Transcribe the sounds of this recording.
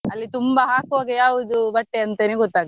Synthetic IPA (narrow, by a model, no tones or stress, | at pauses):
ɐlːit̪umbɐɦaːkʋaːɡɐjaːʋud̪ubɐʈːeɐnt̪eːneɡɔt̪ːaːɡɐ